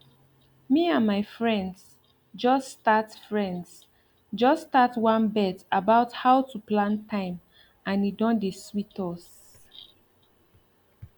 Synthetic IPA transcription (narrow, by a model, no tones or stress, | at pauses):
miãnmaɪfɹɛ̃nds | d͡ʒɔstatfɹɛ̃nds | d͡ʒɔstatwãnbɛtabaʊthaʊtuplãntʰãɪ̃m | ãnidɔ̃ndeswitɔs